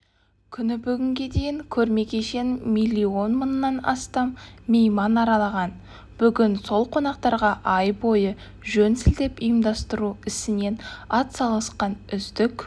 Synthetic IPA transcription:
kʲʰʏnɪbʏɡʲɪŋɡʲe̞d̪e̞jɪŋkʲʰɵɾme̞kʲʰe̞ʃe̞nmʲilʲːio̞nmənːɑnɑ̰st̪ɑmːejmɑnɑɾɑlˠɑʁɑn | b̥ʏɡʲɪnso̞lˠqʰo̞nɑq̚t̪ɑɾʁɑʔɑjbo̞jə | ʒɵnsɪld̪e̞pijəmd̪ɑst̪əɾuɪsɪne̞nɑt̪sɑlˠʁəsqɑnʏzd̪ɪkʲ

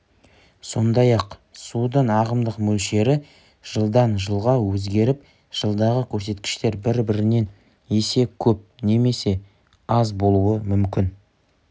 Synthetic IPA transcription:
so̞̰nd̪ɑjɑqsud̪ənɑʁəmd̪əqmɵlʃe̞ɾɪ | ʒ̥əlˠd̪ɑnʒəlˠʁɑwɵzɡʲe̞ɾɪp̚ | ʒ̥əlˠd̪ɑʁəkʲʰɵɾse̞t̪kʲɪ̥ʃt̪e̞ɾbɪɾbɪɾɪne̞n | jese̞kʲʰɵp̚ne̞me̞se̞ | ɑzbo̞lˠuwəmʏmkʲɪn

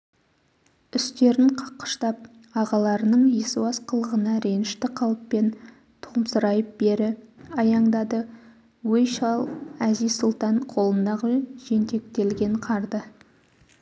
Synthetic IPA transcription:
ʏst̪e̞ɾɪɴqʰɑ̥qːə̥ʃt̪ɑp̚ | ɑʁɑlˠɑɾənəɴjesuɑsqʰəlˠəʁənɑɾe̞nɪʃt̪ɪqʰɑlˠppːe̞n | t̪ʰumsəɾɑjəp̚be̞ɾɪɑjɑɴd̪ɑd̪ə | wejʃɑlˠæzijzsʊlˠt̪ɑɴqʰo̞lˠənd̪ɑʁəʒe̞nt̪e̞k̚t̪e̞lɡʲe̞ɴqʰɑɾd̪ə

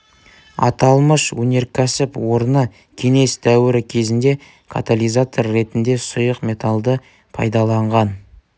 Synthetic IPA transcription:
ɑ̰t̪ɑlˠməʃwɵne̞ɾkʲʰæsɪpwo̞ɾnə | kʲʰe̞ŋe̞st̪ʰæwɪɾɪkʲʰe̞zɪnd̪e̞ | kʰa̰t̪alʲijzat̪o̞rːe̞t̪ɪnd̪e̞sʊjəqmʲe̞t̪alˠd̪ə | pʰɑ̰jd̪ɑlˠɑɴʁɑn

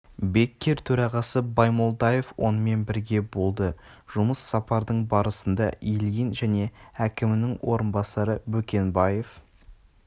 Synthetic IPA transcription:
be̞kʲːe̞ɾt̪ʰɵɾɑʁɑsəbɑjmo̞lˠd̪ɑje̞fwʔo̞̰nəme̞nbɪɾɡʲe̞bo̞lˠd̪əʒ̥ʊməsːɑpɑɾd̪əɴbɑɾəsənd̪ɑ̰ʔilijinʒæne̞ækʲɪmɪnɪŋwʔo̞ɾənbɑsɑɾəbɵkʲe̞nbɑje̞f

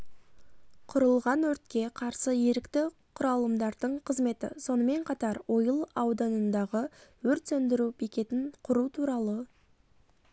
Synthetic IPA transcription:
qʰʊɾəlˠʁɑnwɵɾt̪kʲe̞qʰɑɾsəje̞ɾɪkt̪ɪ | qʰʊɾɑlˠəmd̪ɑɾd̪əɴqʰəzme̞t̪ɪ̰so̞nəme̞ɴqʰɑt̪ɑɾwo̞jəlˠɑwd̪ɑnənd̪ɑʁəwɵɾt̪sɵnd̪ɪɾupʰikʲe̞t̪ɪŋqʰʊɾut̪ʰuɾɑlˠə

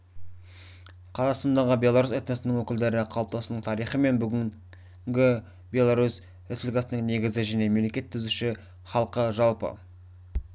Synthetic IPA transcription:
qʰɑzɑst̪ɑnd̪ɑʁəbʲe̞lˠaɾuset̪nesɪnɪŋwɵkʲɪld̪e̞ɾɪqʰɑlˠp̚t̪ɑsənəɴt̪ʰɑɾijχəme̞nbʏɡʲɪ | ɡʲɪ | bʲe̞lˠaɾus | et̪ʲɪlɡɑsənəŋne̞ɡʲɪzɪʒæne̞memlekʲe̞t̪ʰːʏzuʃɪ | χɑlˠqəʒɑlˠpə̰

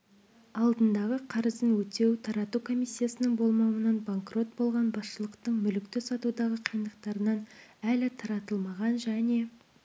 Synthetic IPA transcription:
ɑlˠd̪ənd̪ɑʁəqʰɑɾəzənwɵt̪e̞wt̪ʰɑɾɑt̪ukʰo̞mijsʲːijasənəŋbo̞lˠmɑwənɑnbaŋkro̞t̪̚bo̞lˠʁɑnbɑsʃəlˠəqt̪əɴmʏlɪkt̪ɪsɑt̪ud̪ɑʁəqʰijənd̪əqt̪ɑɾənɑnælɪt̪ʰɑɾɑt̪əlˠmɑʁɑnʒæne̞

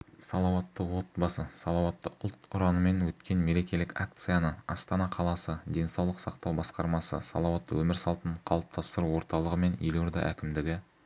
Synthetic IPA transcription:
sɑlˠɑwɑt̪ːəwo̞t̪bɑsəsɑlˠɑwɑt̪ːəʔʊlˠt̪ʊɾɑnəme̞nwɵt̪kʲe̞nme̞ɾe̞kʲe̞lɪkʲak̚t̪sɨjanəɑst̪ɑnɑqʰɑlˠɑsəd̪e̞nsɑwlˠəqsɑqt̪ɑwbɑsqɑɾmɑsə̰sɑ̰lˠɑwɑt̪ːwɵmɪɾsɑlˠt̪əɴqʰɑlˠəp̚t̪ʰɑst̪əɾuwo̞ɾt̪ɑlˠəʁəme̞njeloɾd̪ɑ̰ʔækʲɪmd̪ɪɡʲɪ

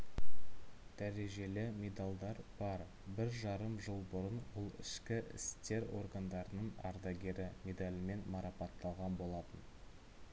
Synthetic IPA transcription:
d̪̥æɾe̞ʒe̞lɪmʲe̞d̪alˠd̪ɑɾb̥ɑɾ | bɪɾʒɑɾəmʒəlˠbʊɾənwʊlˠɪ̰ʃkʲɪʔɪ̰st̪e̞ɾo̞̰ɾɡɑnd̪ɑɾənəɴɑ̰ɾd̪ɑɡʲe̞ɾɪmʲe̞d̪alʲɪme̞nmɑɾɑpɑt̪ʰːɑlˠʁɑnbo̞lˠɑt̪ən

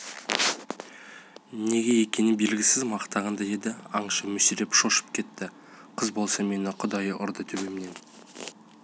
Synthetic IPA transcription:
ne̞ɡʲe̞je̞kʲe̞nɪbe̞lɡʲɪsɪzmɑqt̪ɑʁɑnd̪ɑje̞d̪ɪɑɴʃɑmʏsiɾe̞pʃo̞ʃə̥p̚kʲʰe̞t̪ːɪ | qʰəzbo̞lˠsɑme̞nɪqʰʊd̪ɑjəʔʊɾd̪ət̪ʰɵbemne̞n

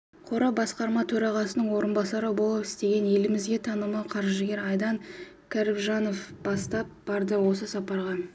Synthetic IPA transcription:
qʰo̞ɾɑbɑsqɑɾmɑt̪ʰɵɾɑʁɑsənəɴwo̞ɾənbɑsɑɾəbo̞lˠəpɪ̥st̪e̞ɡʲe̞nje̞lɪmɪzɡʲe̞t̪ʰɑnəmɑwqʰɑɾʒʒəɡʲe̞ɾɑjd̪ɑŋ | kʲʰæɾɪpʒɑno̞fb̥ɑst̪ɑp̚b̥ɑɾd̪əwo̞səsɑpɑɾʁɑ

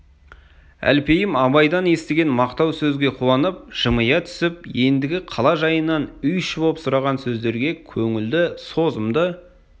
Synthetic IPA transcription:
æ̰lpe̞jɪmɑβɑjd̪ɑnje̞st̪eɡʲe̞nmɑqt̪ɑwsɵzɡʲe̞qʰuɑnəp̚ʒ̥əməjɑt̪ʰʏ̥sɪpje̞nd̪ɪɡʲɪqʰɑlˠɑʒɑjənːɑnʏjʃɪboəpsʊɾɑʁɑnsɵzd̪e̞ɾɡʲe̞kʲʰɵŋɪld̪ɪso̞zəmd̪ə

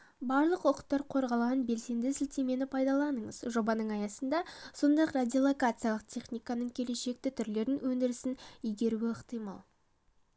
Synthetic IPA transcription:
bɑɾlˠəqwoqə̥t̪ːɑɾqʰo̞ɾʁɑlˠʁɑnbe̞lse̞nd̪ɪsɪlt̪e̞me̞nɪpʰɑjd̪ɑlˠɑnəɴəz̥ʒo̞bɑnəɴɑjɑsənd̪ɑso̞nd̪ɑjqradʲijolˠo̞kat̪sɨjalˠəqt̪ʲʰe̞χnʲijkanəɴkʲʰe̞le̞ʃe̞k̚t̪ɪt̪ʰʏɾle̞ɾɪnwɵnd̪ɪɾɪsɪnijɡʲe̞ɾuɪəqt̪ijmɑ̰lˠ

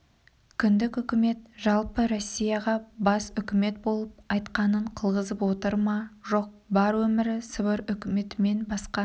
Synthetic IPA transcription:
kʲʰʏnd̪ɪkʏkʲɪme̞t̪ʒ̥ɑlˠpəɾo̞sʲːijɑʁɑbɑsʏkʲɪme̞t̪̚bo̞lˠəp̚ɑjt̪qɑnəɴqʰəlˠʁəzəpwo̞t̪əɾmɑʒo̞q̚bɑɾwɵmɪɾɪsəbəɾʏkʲɪme̞t̪ɪme̞nbɑsqɑ

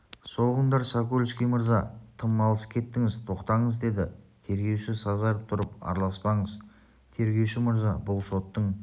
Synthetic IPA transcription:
so̞lˠəʁənd̪ɑɾsɑkolʲˠʃkʲijməɾzɑt̪ʰəmːɑlˠəsə̥kʲʰe̞t̪ːɪŋɪzt̪ʰo̞qt̪ɑɴəzd̪e̞d̪ɪt̪ʰe̞ɾɡʲe̞wʃɪsɑzɑɾəp̚t̪ʰʊɾəpɑ̰ɾlˠɑspɑɴəz | t̪ʰe̞ɾɡʲe̞wʃɪməɾzɑbʊlˠso̞t̪ːəɴ

